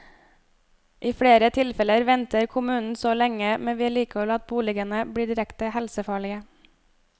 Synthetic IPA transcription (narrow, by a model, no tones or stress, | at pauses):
ʔiːfɽeːɾət̪ʰɪlfɛləɾʋɛnt̪əɾkʰʊmʉːnn̩soːlɛŋəmɛnʋiːæːɭiːkɔlɑt̪̚buːlɪɡənəbɽiːɖɪɾɛkt̪əhɛlsəfɑːɭɪə